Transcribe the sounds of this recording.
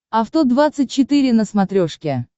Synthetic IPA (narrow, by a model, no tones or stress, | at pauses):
ɐft̪od̪vat̪sɨt̚ʲt͡ɕːɪt̪ɨɾʲɪnəsmat̪ɾʲoʂkʲɪ